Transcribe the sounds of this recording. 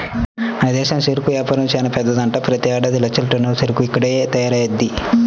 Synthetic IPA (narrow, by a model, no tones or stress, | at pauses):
ɐnid̪ɛːʃɐmseɾukujaːpɐɾɐmt͡ʃɛːnɐpɛd̪ːɐd̪ɐɳʈɐpɾɐt̪iaːɽɐd̪ilɐt͡ʃːɐlʈɐnːɐsiɾukuikːɐɽet̪ɐːjɐɾɐjɐd̪ːi